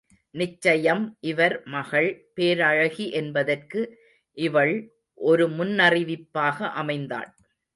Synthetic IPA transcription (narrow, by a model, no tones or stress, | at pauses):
nɪt͡ʃːɐjɐmʔɪʋɐɾmɐɣɐɭpeːɾɐɻɐɣiʔɛnbɐðɐrkɯ | ʔɪʋɐɭ | ʔɔɾɯmʊnːɐrɪʋɪpːaːɣɐʔɐmɐɪnd̪a̰ːɳ